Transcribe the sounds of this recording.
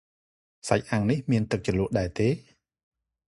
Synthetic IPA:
sac̚ʔaŋnihmiənt̪ɨk̚t͡ɕəlŭəʔɗaɛt̪eː

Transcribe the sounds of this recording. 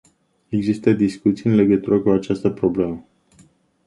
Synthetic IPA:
e̞ɡzist̪əd̪iskut̪sijɨnle̞ɡət̪uɾəkuat͡ʃast̪əpɾo̞ble̞mə

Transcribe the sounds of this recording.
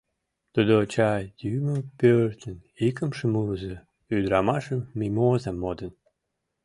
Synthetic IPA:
t̪ud̪ot͡ɕɑjyməpørt̪ənikəmʃəmuzə | yd̪ɾɑmɑʃəmːimozɑmːod̪ən

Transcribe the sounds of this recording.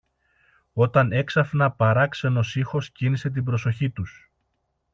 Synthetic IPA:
o̞t̪ɐne̞ksɐfnɐpɐɾɐkse̞no̞sixo̞scinise̞t̪̬ibɾo̞so̞çit̪us

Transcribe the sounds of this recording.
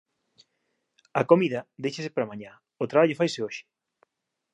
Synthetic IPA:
ɐkomiðɐd̪ejʃɐsɪpaɾamaɲa | ot̪ɾaβaʎofajsɪoʃɪ̥

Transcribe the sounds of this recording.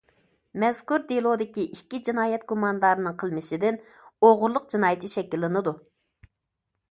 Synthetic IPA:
mɛz̥kuɾd̪elˠod̪ɪkʲiʔikʲːid͡ʒinɑːjɛt̪̚ɡumɑnd̪ɑɾɨnɨŋqʰəlˠmɪʃɪd̪ɪn | oʁʊɾlˠʊq̚d͡ʒinɑːjɪt̪ʰɨʃɛkʲilˠːɨnɨd̪u

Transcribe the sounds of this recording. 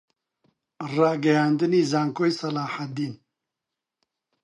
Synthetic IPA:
raːɡɐjaːnd̪ɨniːzaːŋkoːjsɐlaːħat̚d̪iːn

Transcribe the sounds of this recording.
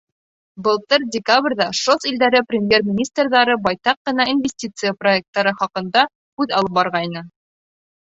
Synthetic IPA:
bɤ̆lˠt̪ɤɾdʲɪkabrʲðɑʃosild̪æɾɘprʲɪmʲje̞rmʲɪnʲist̪rðɑɾɤbɑjt̪ɑqːɤ̆nɑinvʲɪsʲtʲit̪sɨjəproek̚t̪ːɑɾɤχɑqɤ̆nd̪ɑ | kʉðɑlˠɤp̚bɑɾʁɑjnɤ

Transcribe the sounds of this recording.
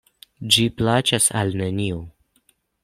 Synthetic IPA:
d͡ʒiplat͡ʃasalnenio

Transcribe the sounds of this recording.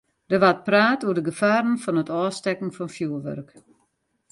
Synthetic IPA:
dəʋat̚praːtuərdəɡəfaːɾn̩fɔnətɔːstɛkn̩fɔnfjuəʋø̰rk

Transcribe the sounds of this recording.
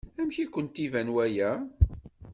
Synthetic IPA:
æmʃikʷːənt̪ivænwæjæ

